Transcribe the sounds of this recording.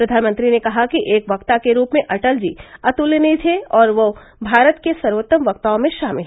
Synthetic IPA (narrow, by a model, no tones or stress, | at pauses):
pɾɐd̪ʱaːnmə̃nt̪ɾinekɐɦakiʔeːkʋɐkt̪akeɾuːpmẽʔɐʈəld͡ʒiːɐt̪ulːenit̪ʰeɔːɾʋo | bʱaːɾət̪kesɐɾʋot̪ːəmʋɐk̚t̪aõmẽʃaːmɪlɦ